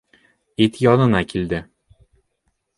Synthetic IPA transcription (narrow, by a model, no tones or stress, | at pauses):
it̪jɒnɤ̆nɑkʰild̪ɘ